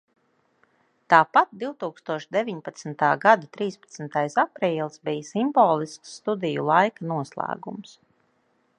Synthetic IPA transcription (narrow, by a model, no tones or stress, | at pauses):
t̪aːpat̪̚d̪iwt̪uːkst̪uɔʃd̪evʲiɲpat̪smt̪aːɡad̪at̪ɾiːspḁt̪sm̩t̪ajsapɾiːlˠsbijsimbɔːlˠisksːt̪ud̪ijulˠajkanuɔslˠæ̰ːɡums